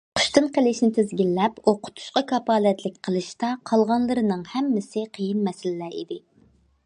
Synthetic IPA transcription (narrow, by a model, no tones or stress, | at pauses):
qʰʊ̥ʃt̪ɨnqəlˠɪʃnɪt̪ʰɪzɡʲilːɛpoqʰʊ̥t̪ʰu̥ʃqɑkʰɑpɑːlɛt̪lɪk̚ʲqʰəlˠɨʃt̪ɑqʰɑlˠʁɑnlˠɨɾɨnɨŋhɛmːɪsɪqʰəjinmɛsɪlɪlɛḭd̪ɪ